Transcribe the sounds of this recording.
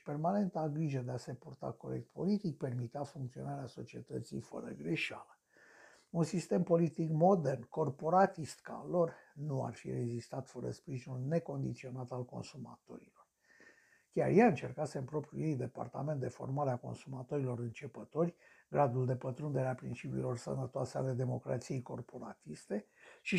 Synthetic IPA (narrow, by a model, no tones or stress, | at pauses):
pe̞rmane̞nt̪aɡɾiʒəd̪ease̞purt̪a̰ko̞ɾe̞̰k̚t̪po̞̰lit̪ik̚pe̞rmit̪eafuŋkt̪sio̞̰naɾeaso̞t͡ʃie̞̰t̪ət̪sḭjfə̰ɾə̰ɡɾeʃa̰lə | unsist̪e̞mpo̞lit̪ikmo̞d̪ernko̞rpo̞ɾat̪ist̪ka̰lo̞rnua̰rfḭre̞zist̪at̪fəɾə̰spɾiʒinulne̞ko̞nd̪ḭt̪sio̞nat̪alko̞̰nsuma̰t̪o̞̰ɾilo̞r | kʲa̰rjaɨnt͡ʃe̞rkaseɨmpɾo̞pɾʲjṵjejd̪e̞pa̰rt̪a̰me̞nt̪d̪e̞fo̞̰rmaleako̞̰nsumat̪o̞ɾilo̞ɾɨnt͡ʃe̞pət̪o̞rʲɡɾad̪uld̪e̞pət̪ɾund̪eɾeapɾḭnt͡ʃipḭːlo̞rsə̰nət̪oasea̰le̞d̪e̞mo̞kɾa̰t̪sije̞jko̞rpo̞ɾa̰t̪ist̪e̞ʃi